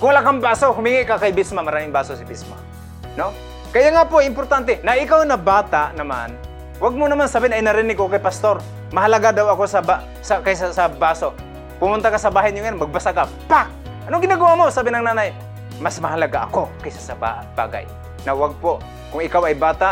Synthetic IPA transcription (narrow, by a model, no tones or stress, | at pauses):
kʊŋwlakambaːsohʊmiŋakakajbɪsmamɐɾaːmɪŋbaːsosɪbɪsma | no | kɐjaŋapoajɪmpʊɾt̪ant̪ɛnɐʔɪkawnɐbaːt̪aʔnɐma̰n | waɡ̚monɐmansabɪnɐjnɐɾɪnɪɡkokajpɐst̪oɾ | mɐɦɐlɐɡad̪awɐkosɐba | sɐkajsasɐbaːso | pʊmʊnt̪akasɐbaːɦajnjʊŋjanmɐɡ̚basaka | paʔ̚ | ʔɐnoŋɡɪnaɡɐwamosaːbɪnɐŋnaːnaj | masmɐɦɐlɐɡaʔɐko̞kɐjsasɐba̰ | b̥a̰ːɡa̰j | nɐwaɡ̚po | kʊŋɪkawɐjbaːt̪aʔ